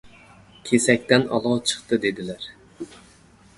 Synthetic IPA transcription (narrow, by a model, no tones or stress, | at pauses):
kʲʰesɛk̚ʲt̪ɛnɑ̰lˠɑt͡ʃʰə̥χt̪ɨd̪ed̪ɪlæɾ